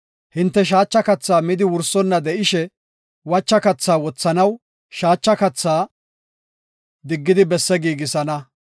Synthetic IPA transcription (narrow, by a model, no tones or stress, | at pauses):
hɪnt̪ːɛʃ̬aːt͡ʃːɐkɐt͡sːaːmɪd̪ɪwʊɾsɔnːɐd̪ɛʔɪʃɛ | wɐt͡ʃːɐkɐt͡sːaːwɔt͡sːɐnɐw | ʃaːt͡ʃːɐkɐt͡sːaː | d̪ɪɡːɪd̪ɪbɛsːɛɡiːɡɪsɐnɐ